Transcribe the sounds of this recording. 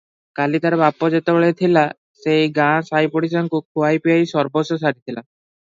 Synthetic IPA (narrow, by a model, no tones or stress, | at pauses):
kalit̪aɾbapːod͡ʑet̪eboɭet̪ʰila | sejɡãsajpoɽis̬ɔnkukʰuajpiajsɔɾbosos̬aɽit̪ʰila